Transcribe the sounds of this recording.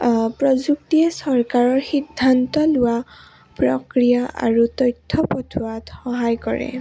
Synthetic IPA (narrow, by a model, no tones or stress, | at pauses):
pɹɔzuk̚tiɛsɔɹkaɹɔɹxidʱːantɔlʊwa | pɹɔkɹijaʔa̰ɹutɔjtʰːɔpɔtʰuwatxɔɦajkɔ̰ɹɛ̰